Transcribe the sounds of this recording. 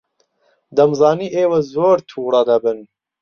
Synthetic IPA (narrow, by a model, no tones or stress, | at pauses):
d̪ɐmzɑːniːʔeːwɐzoːɾt̪ʰuːrˤɑd̪ɐbɨn